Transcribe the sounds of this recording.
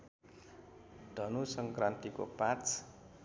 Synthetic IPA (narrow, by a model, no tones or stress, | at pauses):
d̪̥ʱʌnusʌŋkrant̪iko̰pãt͡s